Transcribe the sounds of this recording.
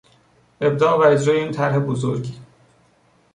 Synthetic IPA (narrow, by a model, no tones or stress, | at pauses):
ʔe̞b̚d̪ɒːɣbæɾed͡ʒɾɒːjeiːnt̪ʰæɾɦebozoɾɟiː